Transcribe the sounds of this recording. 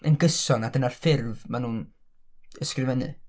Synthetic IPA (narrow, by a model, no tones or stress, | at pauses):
ənɡəsɔnadənarfɪrvmanuːn | əskrɪvɛnɨ̰